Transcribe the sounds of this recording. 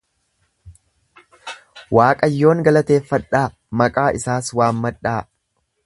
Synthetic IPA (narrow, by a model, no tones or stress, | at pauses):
waːkʼɐjːo̞ːŋɡɐlɐt̪e̞ːfːɐᶑːaː | mɐkʼaːʔɪsaːswaːmːɐᶑːaː